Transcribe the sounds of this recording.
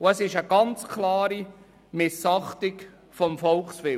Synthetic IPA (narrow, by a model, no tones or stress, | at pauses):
ʊəsɪʃəɡ̥ɑnt͡skʰlɑːɾi | mɪsɑχtɪk | fɔmfɔlχsʋɪ